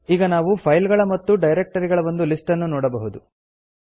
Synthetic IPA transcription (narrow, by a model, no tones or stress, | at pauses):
iːɡɐnaːʋupʰɐjlɡɐɭɐmɐt̪ːuɖɐjɾek̚ʈɐɾiɡɐɭɐʋond̪ulisʈɐnːunɔːɽɐbɐɦud̪u